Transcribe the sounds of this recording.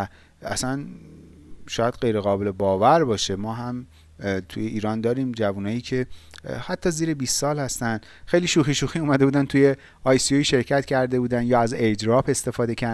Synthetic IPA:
æ̰sæn | ʃɒːjæd̪̚ɢe̞jɾe̞ɣɒːbe̞lebɒːvæɾbɒːʃe̞mɒːɦæm | t̪ʰṵjeʔiːɾɒːnd̪ɒːɾiːmd͡ʒævunɒːjiːcʰehæt̪ʰːɒːziːɾebiːstːɒːlhæst̪ænd̪̥ | xejliʃuːxiʃuxiuːmæd̪e̞buːd̪ænt̪ʰuje̞ | ɒjsioiʃe̞ɾcʰæt̪cʰæɾd̪e̞buːd̪ænjɒːæzed͡ʒɾɒːpe̞st̪e̞fɒːd̪e̞cʰæɾ

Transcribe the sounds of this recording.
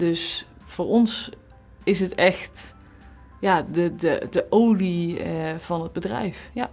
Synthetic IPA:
dɵs | fʊːɹɔns | ɪsətɛxt | jaːdədədəʔowliəv̥ɑnɦəd̚bədrɛ̰jfja

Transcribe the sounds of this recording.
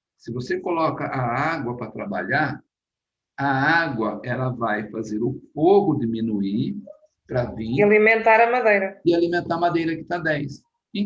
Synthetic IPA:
sɪvosekolɔkɐʔaaɡwɐpɾɐt̪ɾaba̰ʎaɾ | ɐaɡwɐɛlɐvajfazeɾʊfoɦʊd̪imĩnuiɾ | pɾɐvĩalimẽnt̪aɾɐmad̪ejɾɐɪalimẽnt̪aɐmad̪ejɾɐkɪ̥t̪ad̪ɛjs | ɪ

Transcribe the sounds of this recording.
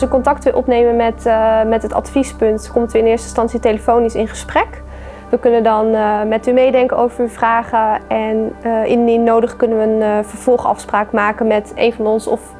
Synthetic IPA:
səkɔntɑk̚tʋɪlˠʔɔpnejmənmɛtmɛtɦətɑ̰tfispɵntkɔmtyɪnɪːɹstə̥stɑnsitejləfownisɪ̰nχəsprɛk | ʋəkɵnəndɑnmɛtymejdɛŋkəowvəɹyvraːχəɛnɪ̰nnɪnːowdəχkɵnənʋəːnvəɹv̥ɔlˠχɑ̰fspraːkmaːkənmɛtḛjnvɑnɔnsɔf

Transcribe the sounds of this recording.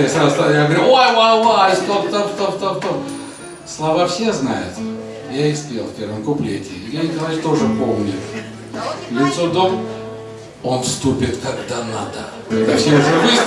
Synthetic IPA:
asʲɾast̪ajaɡəʋəɾʲuojvavaɪst̪opt̪opst̪ot̪ot̪o | slˠɐvafsʲeznajʊ̰t̪ | jaɪspʲelˠfʲpʲe̞rvəmkʊplʲetʲɪjanʲɪkɐlˠaɪt͡ʃt̪o̞ʐɨpomnʲɪ | nʲɪsod̪om | o̞nfst̪upʲɪt̪kaɡd̪anad̪ə | ɛd̪afsʲeʊʐɛvɨ

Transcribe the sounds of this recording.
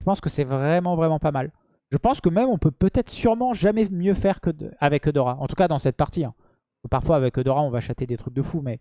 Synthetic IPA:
ʒəpɑ̃skəsɛvʁɛmɑ̃vʁɛmɑ̃pamal | ʒ̥əpɑ̃skəmɛmɔ̃pøpøt̪ɛt̪χsyʁmɑ̃ʒamɛmjøfɛʁkəavɛkod̪ɔʁaɑ̃t̪ukad̪ɑ̃sɛt̪̚paʁt̪iɛ̃ | paʁfwaːvɛkod̪ɔʁaɔ̃vaʃat̪ed̪et̪χyk̚d̪əfumɛ

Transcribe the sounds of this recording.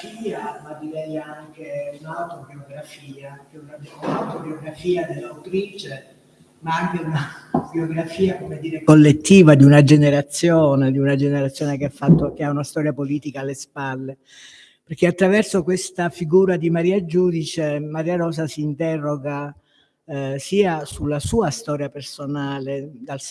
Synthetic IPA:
iːamad̪iɾɛjaŋk̟eunawt̪ɾobioɡɾafiːakenaaunalt̪obioɡɾafiːad̪elːawt̪ɾiːt͡ʃe | maaŋk̟eunabioɡɾafiːakomed̪iːɾekolːet̪ːiːvad̪iunad͡ʒeneɾat̪sːjoːned̪iunad͡ʒeneɾat̪sːjoːnekeafːat̪ːok̟eaunast̪ɔːɾjapoliːt̪ikaːlːespalːe | perk̟eat̪ːɾavɛrsokwest̪afiɡuːɾad̪imaɾiːad͡ʒuːd̪it͡ʃemaɾiːaɾɔːzasiːnt̪ɛrːoɡa | siːasulːasuːast̪ɔːɾjapersonaːled̪al

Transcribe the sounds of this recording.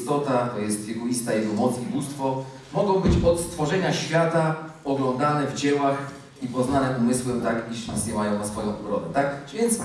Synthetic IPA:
st̪ɔt̪at̪ɔjɛst̪vʲɛkɔlʲist̪ajɛɡɔmɔt̪sibust̪fɔ | mɔɡɔ̃w̃bɘt͡ɕɔt̪st̪fɔʐɛɲaɕfʲjat̪a | ɔɡlɔnd̪anɛvd͡ʑɛwax | ipɔznanɛʔumɘswɛmt̪akiɕʲizɲɛwajɔ̃w̃nasfɔjɔ̃w̃ʔɔɡɾɔd̪ɛ̰t̪akvʲjɛnt̪s

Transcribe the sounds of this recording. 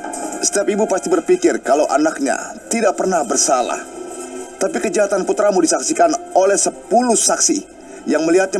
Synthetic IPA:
sə̥t̪iap̚ibupast̪ibərpikɪrkalawʔa̰nak̚ɲa̰t̪idak̚pərnahbərsala̰h | t̪apikəd͡ʒaɦat̪anput̪ɾamudisaksikanolɛhsəpulʊhsaksi | jaŋməliɦat̪̚ɲa

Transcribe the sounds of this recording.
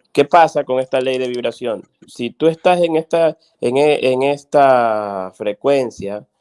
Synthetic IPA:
ke̞pasako̞ŋe̞st̪ale̞jðe̞βiβ̞ɾasjo̞n | sit̪ue̞st̪ase̞ŋe̞st̪a | eŋeʔeŋe̞st̪afɾe̞kwe̞nsja

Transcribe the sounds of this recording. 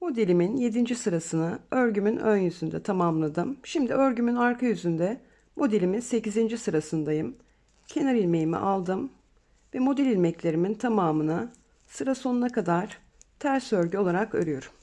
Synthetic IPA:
mo̞d̪e̞lʲiminje̞d̪ind͡ʒisɯɾasɯnɯøɾɟymynønjyzynd̪ɛ̰t̪ʰamamlˠad̪ɯmʃimd̪iøɾɟymynaɾkʰajyzynd̪ɛ | mo̞d̪elʲiminse̞cizind͡ʒisɯɾasɯnd̪ajɯm | cʰe̞naɾilʲmejimḭʔalˠd̪ɯm | vɛmo̞d̪ɛlʲilʲmɛclʲe̞ɾimint̪ʰamaːmɯna | sɯɾaso̞nunakad̪aɾ̥ | t̪ʰæɾsøɾɟyo̞lˠaɾakø̰ɾyjoɾ

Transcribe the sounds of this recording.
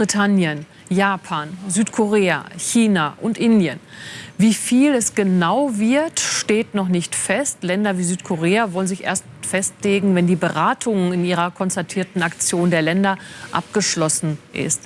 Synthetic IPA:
bʁitʰanjən | jaːpʰaːnzyːtkʰoʁeːa̰çiːnaʔʊntʔɪndjənviːfiːlɛsɡ̥ənaʊvɪɐtʃteːtnɔχnɪçtfɛstlɛndɐviːzyːtkʰoʁeːavɔlənzɪçʔḛːɐstfɛstleːɡŋ̩vɛndiːbəʁaːtʰʊŋɪnʔiːʁɐkʰɔnstatʰiːɐtn̩akt͡sjoːndeːɐlɛndɐʔa̰p̚ɡ̥əʃlɔsn̩ʔɪ̰st

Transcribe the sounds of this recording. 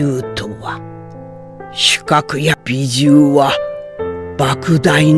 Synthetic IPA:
ɯːt̪o̞βa | ɕi̥kakɯ̟jab̥ʲid͡ʑɨːβa | bakɯ̟d̪ain

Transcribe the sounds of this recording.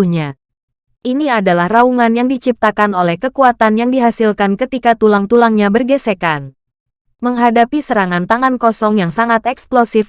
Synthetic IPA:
ɲa | ʔiniadalahrauŋanjaŋdit͡ʃip̚t̪akanolɛhkəkuat̪anjaŋdiɦasilkankət̪ikat̪ulaŋt̪ulaŋɲabərɡəsekan | məŋɦadapisəɾaŋant̪aŋankɔsɔŋjaŋsaŋat̪ɛksplosif

